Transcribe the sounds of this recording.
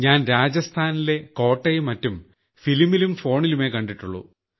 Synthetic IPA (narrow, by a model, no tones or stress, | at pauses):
ɲaːnɾaːd͡ʑɐst̪ʰaːnile̞ko̞ːʈːɐjmɐtːum | filmilumfo̞ːɳilume̞kɐɳɖiʈːuɭːṵ